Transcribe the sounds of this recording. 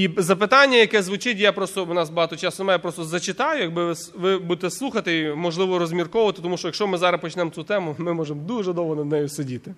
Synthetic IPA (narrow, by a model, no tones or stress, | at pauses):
izɐpɪt̪ɑnʲːɐjɐkɛzʋʊt͡ʃɪtʲjapɾɔst̪ɔwnɑsbɐɦɑt̪ɔt͡ʃɑsʊnmɑjɛpɾɔst̪ɔzɐt͡ʃɪt̪ɑjʊjɐɡ̚bɪʋɪsʋɪbud̪et̪ɛslˠuxɐt̪ɪimɔʒlˠɪʋɔɾɔzʲmʲirkɔʋʊʋɐt̪ɪt̪ɔmuʃt͡ʃɔjɐkʃt͡ʃɔmɪzɑɾɐpɔt͡ʃnɛmt͡sʲut̪ɛmʊmɪmɔʒemd̪uʒɛd̪ɔʋɦɔnɐd̪nɛjʊsɔdʲit̪ɪ